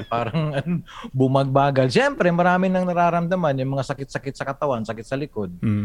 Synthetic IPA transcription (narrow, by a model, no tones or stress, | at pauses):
paɾəŋanbumaɡ̚baɡalsiampɾɛməɾamɪnjaŋnəɾaɾamt̪əmanjaməŋasakɪt̪sakɪt̪sakat̪awansakɪt̪̚salikʊd̪̚